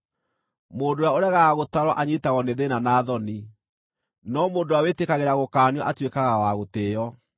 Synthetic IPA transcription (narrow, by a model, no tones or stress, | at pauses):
moːdojaoɾaɣaaɣotaɾwɔʔaɲitaɣɔneðenanaːðɔni | nɔmoːndowawetekaɣeɾaɣokaːnjɔʔatwekaɣawaɣotejɔ